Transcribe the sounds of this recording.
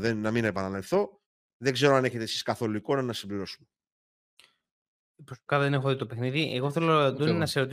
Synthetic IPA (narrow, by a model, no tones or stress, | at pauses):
ðenːɐminepɐnɐnɐifθo̞ | ðeɡze̞ɾoɐne̞çe̞t̪esi̥skɐθo̞luiko̞nɐnɐsimbliɾo̞sume | pskɐðenexoðit̪opexniðiʔeɣo̞θe̞lod̪onnɐseɾot̪